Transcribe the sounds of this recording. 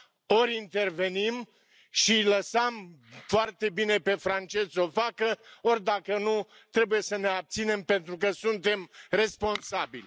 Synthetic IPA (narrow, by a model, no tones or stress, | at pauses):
o̞ɾʲint̪e̞rve̞nim | ʃiləsəmfoart̪e̞bine̞pe̞fɾant͡ʃe̞zo̞fakəo̞rʲd̪akənu | t̪ɾe̞buje̞səne̞ab̚t̪sine̞mpe̞nt̪ɾukəsunt̪e̞mre̞spo̞nsabḭlʲ